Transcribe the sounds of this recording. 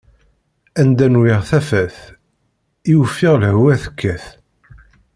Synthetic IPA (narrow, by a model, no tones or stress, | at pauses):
ænd̪ænwɪʁθæfæθ | iwəfːiʁlhwæθə̥kːæθ